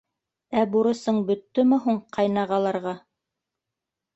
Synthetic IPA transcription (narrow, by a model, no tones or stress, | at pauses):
æbuɾɤ̆sɤɴbɵ̆t̪ːɵmɘ̆ɦuɴqʰɑjnɑʁɑlˠɑɾʁɑ